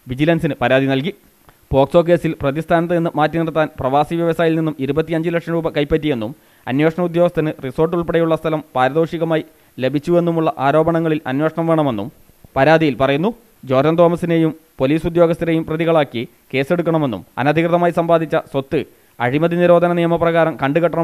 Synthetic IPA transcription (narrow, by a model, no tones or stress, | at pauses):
ʋid͡ʑilɐnsinɨpɐɾaːd̪inɐlk̬i | bo̞ːkso̞ːk̬e̞ːsilprɐðist̪ʰaːnɐt̪̬ːɨenːɨmaːtːɐnirt̪ːaːnprɐʋaːsiʋjɐʋɐsaːjilninːumiɾubɐt̪ːijɐɲd͡ʑilekʂɐmɾuːbɐkɐjpːɐtːije̞nːum | ɐ̰nwe̞ːʂɐɳɐud̪jo̞ːɡɐst̪ʰɐnɨriso̞ːrʈ̬ːuɭpeɽejuɭːɐst̪ʰɐlɐmpaːɾɐðo̞ːʂiɣɐmaːji | le̞bʱit͡ɕːue̞nːumuɭːɐʔaːɾo̞ːbɐɳɐŋːɐɭilɐ̰nweːʂɐɳɐmʋe̞ːɳɐme̞nːṵm | pɐɾaːd̪ijilpɐrɐjunːu | d͡ʑo̞ːd̪ɐnd̪oːmɐsine̞ːjumpo̞liːsud̪joːɡɐst̪ʰːɐɾejumprɐðiɣɐɭaːkːi | ke̞ːse̞ɽukːɐɳɐme̞nːṵmɐ̰nɐd̪ʱikrɨðɐmaːjisɐmbaːd̪ʱit͡ɕːɐswot̪ːɨ | ɐɻimɐðiniɾo̞ːd̪ʱɐnɐnijɐmɐprɐɣaːɾɐmkɐɳɖɨɣɐʈːɐɳɐ